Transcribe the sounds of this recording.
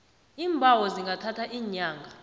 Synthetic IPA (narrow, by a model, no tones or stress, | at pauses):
iːmbʱawɔziŋɡʱatʰatʰaʔiːɲaːŋɡʱa